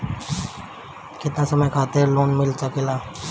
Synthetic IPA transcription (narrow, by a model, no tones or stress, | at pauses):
kɪt̪nasɐməjkʰaːt̪eloːnmɪlsakelaː